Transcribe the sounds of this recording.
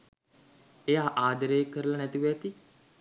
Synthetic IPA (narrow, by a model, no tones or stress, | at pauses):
ejaːʔaːd̪əɾəjəkːəɾəlɐnæt̪iʋɛt̪i